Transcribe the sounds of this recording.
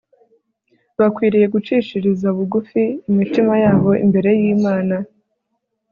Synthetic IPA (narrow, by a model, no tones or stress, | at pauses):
βakwiːɾije̞ɡut͡ʃiːt͡ʃiɾizauβuɡufiːmitimajaːβo̞ḭmbe̞ɾe̞jiːmaːna